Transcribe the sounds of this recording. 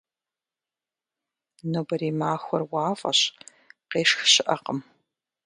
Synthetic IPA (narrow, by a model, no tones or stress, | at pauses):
noːbɐɾiːmaːxʷɔrwaːfʼɐ̰ɕ | qeːʂxɕɪʔɐqəm